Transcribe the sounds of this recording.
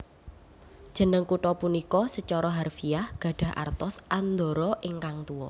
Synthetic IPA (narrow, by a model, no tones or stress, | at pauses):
d̥ʒ̥ə̤nəŋkuʈɔpunikɔsət͡ʃɔɾɔɦarfiahɡ̥ä̤ɖ̥ä̤ɦʔa̰rt̪ɔsʔand̪ɔɾɔʔɪŋkaŋt̪uɔ